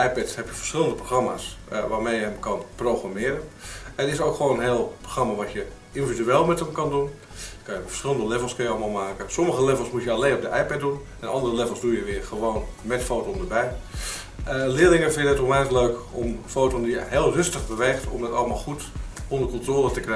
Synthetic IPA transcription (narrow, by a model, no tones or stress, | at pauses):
ɛjpɛtshɛpjəfə̥rsχɪlˠəndəproxrama̰ːsʋaːmeːjəɦəmkɑnproxramɪəɾənɛnəɪsoːkxəʋoːnənɦeːlˠproxramaʋatjə | individyeːlˠmɛthəmkɑndun | jəkʰɑjəfə̥sxɪlˠəndəlɛvəlˠskəjəɑlˠəmalˠmaːkəsoməxəlɛvəlˠsmutjəaleːnɔp̚dəʔɛjpɛt̚dun | ɛnɑndərəlɛvəlˠzdujəʋɪərxəʋoːnmɛtfoːtoəndəbɛj | lɪəlɪŋəfɪndədɛtomɛəkløːkomfoːtondijəheːlˠrøstəxbəʋeːxtɔ̰mdətɑ̰lˠmalˠxutondərkɔntroːlˠətəkrɛ